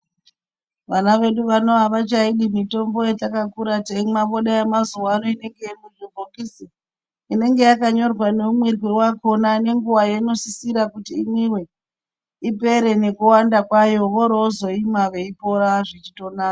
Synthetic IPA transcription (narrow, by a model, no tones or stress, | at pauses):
ʋanaʋe̞ɗuʋano̞aʋat͡ʃaiɗimito̞mbo̞jetakakuɾateimaɓoɗajemazuwaːno̞ine̞ŋɡeimuribʱokisi | ine̞ŋɡe̞jakaɲo̞rwane̞umweriwewako̞nane̞ŋɡuʋajeno̞sisiɾakutiːmiwe̞ | ipe̞ɾe̞ne̞kuwandakwajo̞ʋoɾoozo̞imaʋe̞ipo̞ɾaʐet͡ʃito̞naːk